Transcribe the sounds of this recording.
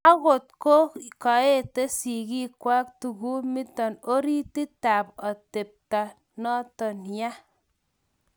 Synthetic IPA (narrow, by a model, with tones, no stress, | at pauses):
a˦ko˨t̚ko˦ka˨e˦te˦si˨ki˦kwa˦k̚tu˨ku˦mi˦tɔ˨no˦ɾi˦ti˦ta˨pɔ˨te˨p̚ta˨ | nɔ˦tɔ˨nja˦